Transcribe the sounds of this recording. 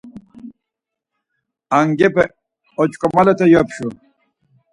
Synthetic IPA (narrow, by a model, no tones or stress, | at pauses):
aŋɡepe | ot͡ɕkomalet̪ajopɕu